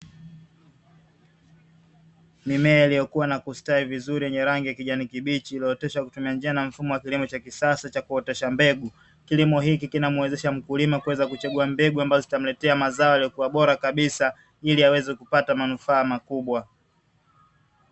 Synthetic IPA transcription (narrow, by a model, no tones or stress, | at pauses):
mimɛailijɔkuwanakustaivizuɾijɛɲɛɾaŋɡijakiʄanikiɓit͡ʃiːliɔtɛʃakutumiand͡ʒianam̩fumɔwakilimɔt͡ʃakisasat͡ʃakuɔtɛʃambɛɡu | kilimɔɦikikinamuɛzɛʃam̩kulimakuwɛzakut͡ʃɛɠuambɛɡuambazɔzitam̩lɛtɛamazaɔalijɔkuwaɓɔɾakaɓisa | iliawɛzɛkupatamanufaːmakuɓwa